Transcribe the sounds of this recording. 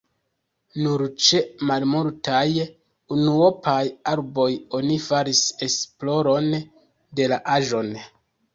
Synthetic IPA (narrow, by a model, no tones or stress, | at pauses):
nuɾt͡ʃe̞malmoɾtaj | unuopʰajaɾbo̞jonifaɾise̞splo̞ɾo̞n | de̞laʔaʒo̞n